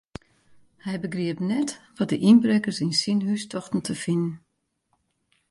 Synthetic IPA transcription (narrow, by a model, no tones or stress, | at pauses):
hɛjbəɡriəpnɛtʋɔt̚dəʔinbrɛkərsinsinhystʰɔxtn̩tʰəfinən